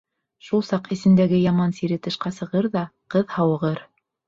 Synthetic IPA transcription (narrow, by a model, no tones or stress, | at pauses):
ʃulˠsɑqɘ̆sɘ̆nd̪æɡɘjɑmɑnsiɾɘt̪ɤ̆ʃqɑsɤ̆ʁɤɾðɑqɤðhɑwɤ̆ʁɤɾ